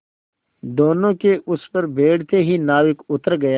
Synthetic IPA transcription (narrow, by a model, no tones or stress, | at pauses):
d̪oːnõkeʔʊspɐɾbʱeːɽ̤t̪eɦinaːʋɪkʊt̪əɾɡɐja